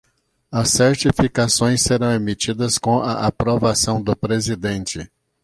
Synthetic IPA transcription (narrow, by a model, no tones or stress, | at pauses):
ɐsːeɾt͡ʃifikasõj̃sːeɾɐ̃w̃emit͡ʃid̪ɐskõaʔapɾovasɐ̃w̃d̪ʊpɾezid̪ẽnt͡ʃɪ